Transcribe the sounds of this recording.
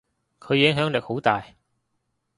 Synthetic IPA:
kʰɵ˨˧ɥjɪ˨˥ŋɦœː˨˥ŋlɪ˨˩k̚ho˨˥wt̪aː˨j

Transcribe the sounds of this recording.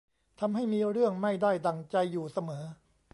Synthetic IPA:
t̪ʰa˧mha˥˩jmiː˧ɾɯ˥˩əŋma˥˩jda˥˩jd̪a˨˩ŋt͡ɕa˧jːuː˨˩sa˧mɤː˩˦

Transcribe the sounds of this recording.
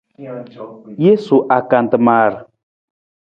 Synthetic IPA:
je˦su˨ʔa˨ka˨n̩˨tə˨ma˨ɾə˨

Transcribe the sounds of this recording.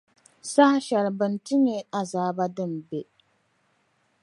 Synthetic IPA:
sa˦ha˦ʃɛ˨ɾbɨ˨n˨tɨ˦ɲɛ˦a˨zaː˨˦ba˦dɨ˦˨mbɛ˨

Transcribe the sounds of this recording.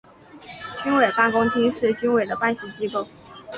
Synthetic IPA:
t͡ɕy˥nwe˨˩ɪt̪a˥˩kʊ˥ŋt̪ʰi˥ʂɻ̩˥˩t͡ɕy˥nwe˨˩ɪd̪ə˦pa˥˧nɕi˧˩t͡ɕi˥ko˥˩ʊ

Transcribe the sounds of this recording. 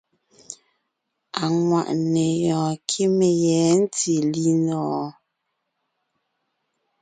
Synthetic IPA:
a˨ŋwa̰˨ʔne˨jɔː˨kʰi˦me˨jɛː˨˦n̩˦ti˨li˦ndɔː˨˦

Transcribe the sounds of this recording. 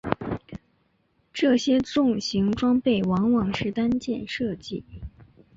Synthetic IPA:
ʈ͡ʂɤ˥˩ɕjɛ˥t͡sʊ˥˩ŋɕi˧˥ŋʈ͡ʂwɑ˥ŋpe˥˩ɪwɑ˧˥ŋwɑ˨˩ŋʂɻ̩˥˩t̪a˥nt͡ɕjɛ˥˧nʂɤ˥˧t͡ɕi˥˩

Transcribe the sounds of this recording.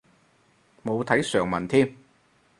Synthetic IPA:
mo˨˧wt̪ʰɐ˨˥jsœː˨˩ŋmɐ̰˨˩nt̪ʰiː˥m

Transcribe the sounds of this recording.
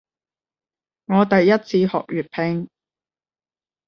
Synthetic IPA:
ŋɔː˨˧t̪ɐ˨jːɐ˥t̚t͡sʰiː˨˧hɔ̰ː˨k̚jyː˨t̚pʰɪ˧ŋ

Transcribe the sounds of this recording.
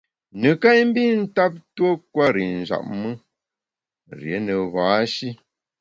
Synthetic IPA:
nə˨ka˦jm̩˦bi˦n̩˦ta˦p̚two˦kwa˦ɾi˨n̩˨za̰˨p̚mə˦ | ɾjḛ˨˦nə˨vaː˨˦ʃi˦

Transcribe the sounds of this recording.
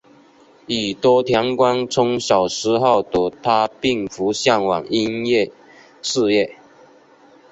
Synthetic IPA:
i˨˩t̪wɔ˦t̪ʰjɑ˧˥ŋkwa˥nt͡sʰʊ˥ŋɕjɑ˨˩ʊʂɻ̩˧˥xɑ˥˩ʊt̪ɔ˨˩t̪ʰa˦pi˥˩ŋfu˨˧˥ɕjɑ˥˩ŋwɑ˨˩ŋi˦njɛ˥˨ | ʂɻ̩˥˧jɛ˥˨

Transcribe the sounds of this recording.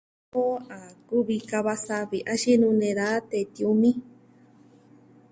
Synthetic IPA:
o˦a˨ku˦βi˧ka˧βa˧sa˧βi˨ʔã˦ʃi˦nũ˧nẽ˧ɾa˦t̪e˧t̪i˧u˧mĩ˦

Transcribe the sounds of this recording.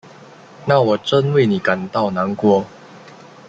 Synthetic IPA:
na˥˨wɔ˨˩ʈ͡ʂə˦nwe˥˩˨ɪni˨˩ka˨˩nt̪ɑ˥˩ʊna˨˧˦nkwɔ˧˦

